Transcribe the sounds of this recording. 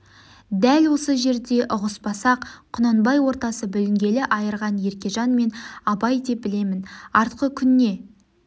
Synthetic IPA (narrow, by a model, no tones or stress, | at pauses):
d̪ælwo̞səʒe̞ɾd̪e̞ʔʊʁəspɑsɑqqʰːʊnɑnbɑjwo̞ɾt̪ɑsəbʏlɪŋɡʲe̞lɪʔɑjəɾʁɑnje̞ɾkʲe̞ʒɑnme̞nɑpɑjd̪e̞p̚bɪle̞mɪnɑɾt̪qəkʲʰʏnːe̞